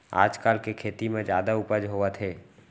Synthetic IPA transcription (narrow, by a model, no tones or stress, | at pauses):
a̰ːd͡ʒkaːlkekʰeːt̪imẽd͡ʒjaːd̪aupəd͡ʒɦoat̪ʰeː